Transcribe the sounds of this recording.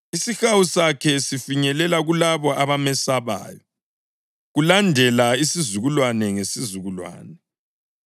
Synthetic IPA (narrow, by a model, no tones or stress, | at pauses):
isixawusakʰɛsifiɲɛlɛlaɣulaβɔaβamɛsaβa̰ːjɔ | ɣulandʱɛlaisizuɣulwanɛŋesizuɣulwa̰ːnɛ